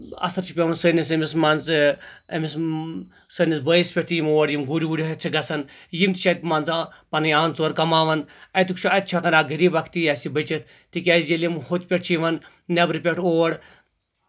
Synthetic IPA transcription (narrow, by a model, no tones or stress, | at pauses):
ɐ̰st̪ʰɐɾt͡ʃʰi̥pʲeʋɐnsənis̬ɐmismanzɐ̰mis | sənisbəjispʲeʈʰjimoːɐɽjimɡoːɾʲiʋuɽʲiɦɐt̪̚ʲt͡ʃʰiɡɐsɐnjimt̪i̥t͡ʃʰat̪̚ʲmaːnzpɐnɐjaːnt͡soːɾkɐmaːʋɐnɐt̪ukt͡ʃʰuɐt̪̚t͡ʃʰɐk̪ɐnaːɡɐɾiːbakʰt̪ijasibət͡ʃɐt̪ | t̪ikʲaːzjelimhot̪ʲpʲeʈ̚t͡ʃʰiʋɐn | nʲɐbɾipʲeʈʰoːɐɽ